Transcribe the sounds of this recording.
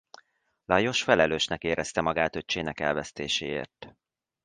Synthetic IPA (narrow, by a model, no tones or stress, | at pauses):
lɒjo̞ʃfɛlɛløːʃnɛkeːɾɛst̪ɛmɒɡaːt̪øt͡ʃeːnɛkɛ̰lvɛst̪eːʃeːḛːrt̪